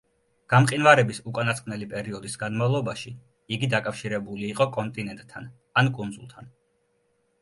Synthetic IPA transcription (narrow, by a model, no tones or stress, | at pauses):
ɡ̥amqʼinvaɾɛbisukʼanat̪sqʼmnɛlipʼɛɾiɔd̪isɡanmavlˠɔbaʃi | iɡid̪akʼafʃiɾɛbuliːqʼɔkʼɔnt̪ʼinɛnt̪ʼt̪ʰːan | ankʼund̪zṵlˠt̪ʰan